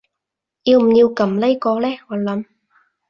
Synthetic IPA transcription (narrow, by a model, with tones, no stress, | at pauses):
jiː˧wm̩˨˩jiː˧wkɐ˨˧˥mle˥jkɔː˧lɛː˥ŋɔː˨˧lɐ˨˦m